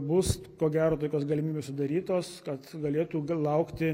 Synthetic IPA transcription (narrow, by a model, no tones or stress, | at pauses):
bʊskoːɡʲæːɾoːt̪oːkʲoːsɡɐlʲɪmʲiːbʲeːsʊd̪ɐɾʲiːt̪oːskɐt̪ɡɐlʲeːt̪uːlˠɐʊkt̪ʲɪ